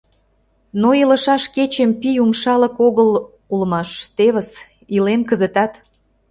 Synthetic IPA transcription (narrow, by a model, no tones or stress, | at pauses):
noilə̆ʃɑʃket͡ɕəmpijumʃɑlə̆koɣəl | ulmɑʃt̪eβə̆s | ilemkəzet̪ɑt̪